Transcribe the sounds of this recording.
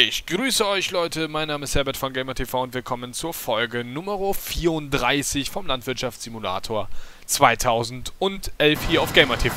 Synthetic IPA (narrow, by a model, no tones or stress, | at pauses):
ɪçɡ̥ʁyːsəɔʏçlɔʏtəmaɪnːaːməɪsthɛɐbɛɐtfɔnɡeɪmɐtʰefaʊʊntv̥ɪɐkʰɔmənt͡suːɐfɔlɡənʊməʁofiːɐʊnt̚d̥ʁaɪsɪçfɔmlantv̥ɪɐtʃaftz̥imula̰ːtʰoːɐ | t͡sv̥aɪtʰaʊzn̩tʊntʔɛlfhiːɐaʊfɡ̥eɪmɐtʰef